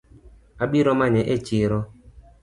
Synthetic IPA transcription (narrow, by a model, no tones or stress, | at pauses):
aɓiɾɔmaɲɛʔet͡ʃiɾɔ